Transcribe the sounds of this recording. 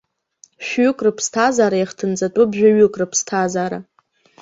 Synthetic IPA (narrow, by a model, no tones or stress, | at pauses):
ʃʷᶣɥʊkʼrɨpʰstʰazaːɾajaχtʰɨnt͡sʼatʼʊbʒᶣaɥʊkʼrɨpʰstʰazaːɾa̰